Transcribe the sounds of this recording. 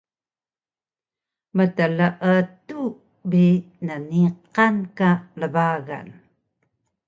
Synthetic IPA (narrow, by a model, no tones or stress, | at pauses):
mətələʔətu | bi | nəniqankaləvaɣa̰n